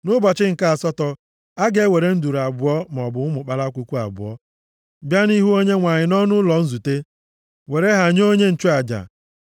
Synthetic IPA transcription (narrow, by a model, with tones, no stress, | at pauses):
nʊ˦ba˨t͡ʃɪ˦ŋ̩˨ka˦a˨sɔ˦tɔ˨ | a˦ɡe˦we˨ɾe˦n̩˦du˨ɾa˨bʊ˨ɔ˦m˨ɔ˨bʊ˨ʊ˦mʊ˨k͡pa˦la˦kʷu˦kʷu˦a̰˨bʊ̰˨ɔ̰˦ | bja˦ni˦ɦu˦o˦ɲe˦ŋʷa˨ɲɪ˨nɔ˦nʊ˦lɔ˨n̩˦zu˨te˦ | we˨ɾe˦ɦa˨ɲ˦o˦ɲe˦n̩˨t͡ʃu˦a˨d͡ʒa̰˨